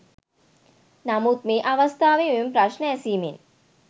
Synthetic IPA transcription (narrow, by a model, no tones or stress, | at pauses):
nɐmut̪̚meʔɐʋɐst̪ʰaːʋeʋumpɾɐʃnɐɐsiːmḛn